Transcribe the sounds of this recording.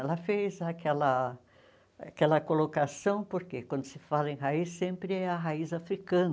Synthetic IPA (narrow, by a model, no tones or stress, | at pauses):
ɛlɐfezakɛlɐ | akɛlɐkolokasɐ̃w̃poɾkekwɐ̃nd̪ʊsɪfalɐẽj̃ɦaisːẽmpɾɪɛɐɦaizafɾikɐ̃n